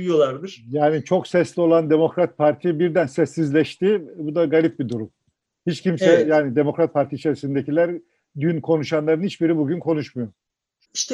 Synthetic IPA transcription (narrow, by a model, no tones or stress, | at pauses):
jolˠaɾd̪ɯɾjaːnit͡ʃʰo̞ksɛslʲio̞lˠand̪emo̞kɾat̪̚pʰaɾt̪ʰibiɾd̪ænsɛsːizlʲɛʃt̪ibud̪aɡalʲip̚bid̪uɾum | hit͡ʃcʰimsɛjaːnid̪emo̞kɾat̪̚pʰaɾt̪ʰiːt͡ʃʰe̞ɾisind̪ecʰilʲæɾ | d̪ynkʰo̞nuʃanlˠaɾɯnhit͡ʃbiɾibuɟynkʰo̞nuʃmujoɾ | iʃt̪ʰɛ